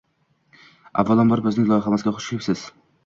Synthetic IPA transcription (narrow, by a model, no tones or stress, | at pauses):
a̰vːalˠɒnbɒɾbɵznɪŋlˠɒjχamasɡʲaχʊ̥ʃɪpsɪz̥